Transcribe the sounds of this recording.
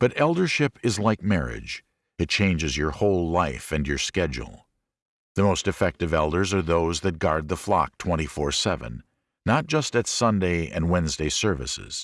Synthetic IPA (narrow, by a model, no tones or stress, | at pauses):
b̥ʌɾɛlˠdə˞ʃɪpɨzlaɪk̚mɛɹɪ̰d͡ʒ | ɨt̚t͡ʃʰẽɪ̃nd͡ʒɨzjə˞hoʊlˠlaɪfɨ̃njə˞skɛd͡ʒ̰l̩ˠ | ðɨmoʊstɨfɛk̚tɨvɛlˠdə˞zə˞ðoʊzðɨt̚ɡ̥ɑɹd̪̚ðəflɑ̰k̚tʰw̥ɛ̃ɾ̃ifɔɹsɛvɨ̰̃nː | ət̚d̥ʒ̥ʌstɨtsʌ̃ndeɪɨ̰̃nwɛ̃nzdeɪsɜ˞vɨ̰sɪ̰z̥